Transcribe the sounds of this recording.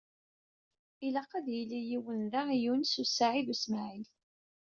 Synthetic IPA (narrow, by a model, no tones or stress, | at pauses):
ilɑqːɑðjilːijiwənðæjunsusaʕiðusmaʕil